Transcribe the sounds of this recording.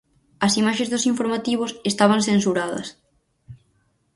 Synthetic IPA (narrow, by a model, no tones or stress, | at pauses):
ɐsimaʃẽzðʊsiɱfoɾmat̪iβ̞ʊsest̪aβɐŋsensuɾaðɐ̰s